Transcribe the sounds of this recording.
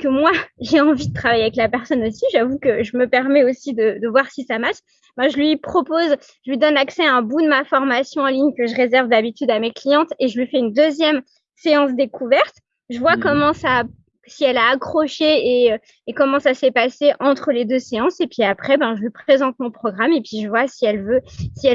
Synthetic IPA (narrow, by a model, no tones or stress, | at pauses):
kəmwaʒeɑ̃vid̪ət̪χavajeavɛklapɛʁsɔnosiʒavukəʒəməpɛʁmɛosid̪əd̪əvwaʁsisamaʃ | bɛ̃ʒəlɥipχɔpoz | ʒəlɥid̪ɔnlaksɛaɛ̃bud̪əmafɔʁmasjɔ̃ɑ̃liɲkəʒəʁezɛʁvd̪abit̪yd̪ameklijɑ̃t̪eʒəlɥifɛynd̪øzjɛm | seɑ̃s̬d̪ekuvɛʁt̪ | ʒəvwakɔmɑ̃sa | siɛlaːkχɔʃeeøː | kɔmɑ̃sasɛpaseʔɑ̃t̪χəled̪øseɑ̃sepɥiapχɛbɛ̃ʒəlɥipχezɑ̃t̪̚mɔ̃pχɔɡʁamepɥiʒəvwasiɛlvøsiɛ